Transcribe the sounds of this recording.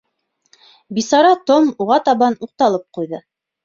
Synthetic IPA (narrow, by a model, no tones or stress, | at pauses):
bisɑɾɑt̪omuʁɑt̪ɑβɑnuq̚t̪ɑlˠɤp̚qujðɤ